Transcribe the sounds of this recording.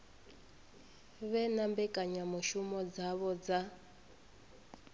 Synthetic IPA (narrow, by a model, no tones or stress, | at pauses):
βɛnambɛkʼaɲamuʃumɔd͡zaβɔd͡za